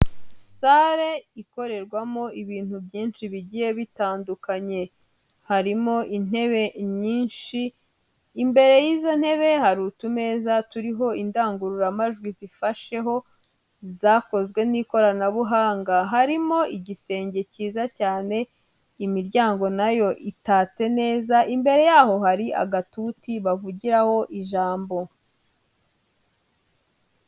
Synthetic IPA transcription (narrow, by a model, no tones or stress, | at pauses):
saɾe̞iko̞ɾe̞ɾɡwamo̞iβiːn̥hubɟiːnʃiβiɟije̞βitaːndukaɲe̞ | haɾimo̞ʔin̥e̞βe̞ɲiːnʃiː | mbe̞ɾe̞jiːzo̞n̥he̞βe̞haɾuːtume̞ːzatuɾiɦo̞indaːŋɡuɾuɾamaʒɡwizifaʃe̞ɦo̞ | zaːko̞zɡwe̞niːko̞ɾanaβuɦaːŋɡaɦaɾimo̞ʔiɟise̞ːɲɟe̞ciːzacaːne̞ | imiɾɟaːŋɡo̞najo̞ʔitaːt͡se̞ne̞ːzaʔimbe̞ɾe̞jaːɦo̞ɦaɾiʔa̰ɡatutiβavuɟiɾaho̞ʔiʒaːmbo̞